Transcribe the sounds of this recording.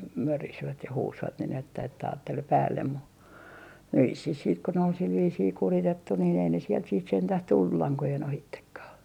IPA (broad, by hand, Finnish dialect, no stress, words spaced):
mørisʋæt jɑ huːsʋɑt nin etːæ etːæ ɑːtːel pæːlːem mu ʋisːih siːt ko nĕ ol sil ʋiːsiː kuritetːu niːn ei ne sielt siːt sentæh tulːu lɑŋkojen ohitːekːɑː